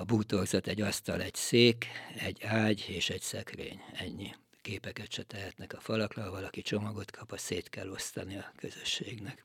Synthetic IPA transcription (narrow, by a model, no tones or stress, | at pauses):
ɒbuːt̪o̞rzot̪ɛɟːɒst̪ɒlɛɟseːkɛɟːaːɟeːʃɛɟsɛkrḛːɲɛɲːi | keːpɛkɛt̪ʃɛt̪ɛɦɛt̪nɛkɒfɒlɒklɒɒvɒlɒkit͡ʃo̞mɒɡo̞t̪kʰɒpɒseːt̪kɛlːo̞st̪ɒniɒkøzøʃːeːɡnɛk